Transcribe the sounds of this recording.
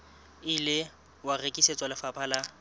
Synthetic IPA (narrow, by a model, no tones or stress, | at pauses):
ɪlɪ | warekʼiset͡sʼalɪfapʰʼala